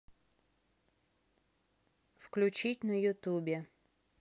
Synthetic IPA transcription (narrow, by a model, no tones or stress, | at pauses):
fklʲʉt͡ɕitʲnəjʊt̪ubʲɪ